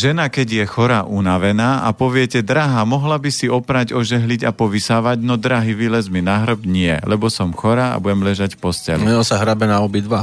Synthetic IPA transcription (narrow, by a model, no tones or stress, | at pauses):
ʒɛnakɛɟjɛxɔɾaʔunaʋɛnaːʔapɔʋɪɛcɛd̪ɾaɦamɔɦlabisiɔpɾaɟɔʒɛɦlicapɔʋisaːʋaɟnɔd̪ɾaɦiʋilɛzminaɦɾ̩bɲɪɛ̰lɛbɔsɔmxɔɾaːa̰buɟɛmʎɛʒacfpɔscɛ̰lumɛɔsaɦɾabɛnaɔbid̪ʋa